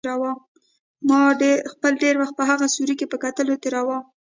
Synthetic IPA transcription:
ɾawɑm | mɑɖexpəlɖeɾwaxt̪̚pəɦaɣasuɾikepəkat̪əlot̪eɾawɑm

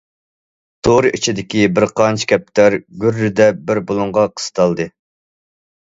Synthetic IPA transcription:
t̪ʰoɾɨʔit͡ʃʰid̪ɪkʲibɪɾqʰɑnt͡ʃʰi̥kʲɛp̚t̪ʰæɾɡʲyɾːɪd̪ɛbɪɾbolˠʊɴʁɑqʰə̥st̪ʰɑlˠd̪ɨ

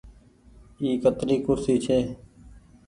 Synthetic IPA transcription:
iːkət̪ɾiːkʊɾsiːt͡ʃʰeː

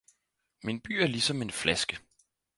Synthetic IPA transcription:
minb̥y̰ːæɐlisɒ̽me̝nflæsɡ̥ə

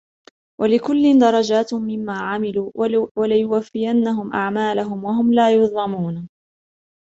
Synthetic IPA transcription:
wʔalɪkʊlːɪnd̪ɑɾˤɑd͡ʒaːt̪mɪmːaːʕamɪluːwalɪjʊwafːɪjanːaɦʊmʔaʕmaːlaɦʊmwaɦʊmlaːjʊðˤɑmuːn

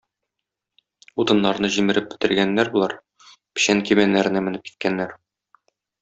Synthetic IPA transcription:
ut̪ɤ̆nːɑɾnɤʑimɘ̆ɾɘp̚bɘ̆t̪ɘ̆ɾɡænːæɾbulˠɑɾ | pɘ̥̆ɕæŋkimænːæɾɘ̆næmɘ̆nɘp̚ki̥t̪̚kænːæɾ

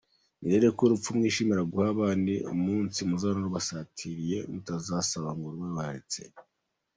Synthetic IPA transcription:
miɾe̞ɾekuɾup͡fumŋiːʃimiɾaɡuhaβaːndiṵmuːnsimuzanaɾuβasaːtʰiɾije̞mutazasaβaŋɡoɾumeβahaɾit͡se

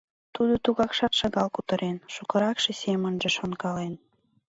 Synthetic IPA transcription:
t̪ud̪ot̪uɣɑkʃɑt̪ʃɑɣɑlkut̪ə̆ɾʔenʃukə̆ɾɑkʃesemə̆nʒĕʃonkɑlen

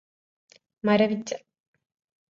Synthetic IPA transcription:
mɐɾɐʋit͡ʃːɐ̥

